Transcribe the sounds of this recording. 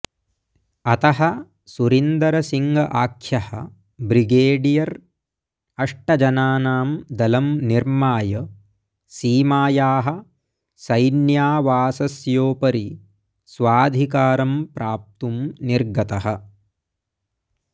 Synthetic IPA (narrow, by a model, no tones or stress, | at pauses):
ɐt̪ɐɦɐ | suɾind̪ɐɾɐsiŋɡʱɐʔaːkʰjɐhɐ̰ | bɾiɡeːɖijɐɾ | ɐʂʈɐd͡ʒɐnaːnaːmd̪ɐlɐmniɾmaːjɐ | siːmaːjaːɦɐ̆ | sɐjnjaːʋaːsɐsjoːpɐɾi | sʋaːd̪ʱikaːɾɐmpɾʔaːp̚t̪umniɾɡɐt̪ɐɦɐ